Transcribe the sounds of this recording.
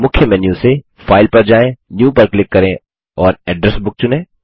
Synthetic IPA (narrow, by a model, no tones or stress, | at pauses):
mʊkʰjəmɛːnjuse | faːɪlpɐɾd͡ʒaːẽnjuːpɐɾklɪkːɐɾẽ | ɔːɾɛːɖɾɛsbʊk̚t͡ʃʊnẽː